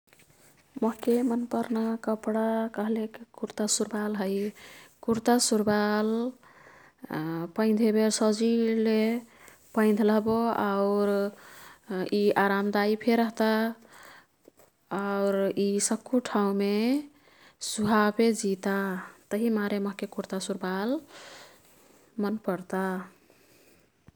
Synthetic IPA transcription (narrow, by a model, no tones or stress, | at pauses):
məɦkemənpəɾnakəpɽakəɦlekkuɾt̪asuɾbalɦəjkuɾt̪asuɾbal | pə̃ɪnd̪ʱebeɾsəd͡ʒile | pəɪ̃nd̪ʱləɦboaʊɾ | iaɾamd̪aipʰeɾəɦt̪a | aʊɾisəkʰːuʈʰaũme | suɦaped͡ʒit̪at̪əɦimaɾeməɦkekuɾt̪asuɾbal | mənpəɾt̪a